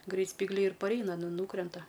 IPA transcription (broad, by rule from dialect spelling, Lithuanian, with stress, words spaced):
ˈɡrʲɛɪt sʲpʲiːɡˈlʲɛɪ ɪr pɐrʲˈɛɪnɐ nʊ ˈnuːkrʲɛntɐ